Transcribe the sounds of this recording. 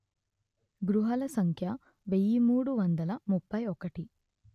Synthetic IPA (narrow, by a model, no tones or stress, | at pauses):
ɡɾuɦɐlɐsɐŋkʰjɐ | ʋejimuːɽuʋɐnd̪ɐlɐmupːɐjɔkɐʈi